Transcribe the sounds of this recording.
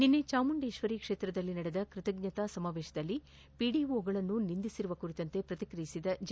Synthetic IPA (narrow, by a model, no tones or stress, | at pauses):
ninːet͡ʃaːmuɳɖeːʃʋɐɾikʂeːt̪ɾɐd̪ɐlːinɐɽed̪ɐkɾɪt̪ɐɡɲɐt̪aːsɐmaːʋeːʃɐd̪ɐlːi | piːɖiʋoːɡɐɭɐnːunind̪isiɾuʋɐkuɾit̪ɐnt̪e̞pɾɐt̪ikɾɐjisid̪ɐd͡ʒ